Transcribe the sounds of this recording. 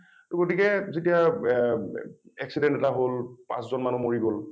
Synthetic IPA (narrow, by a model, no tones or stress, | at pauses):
toɡotikɛzetia | ɛksidɛntɛtaɦolpã̰szɔnmanumoɹiɡol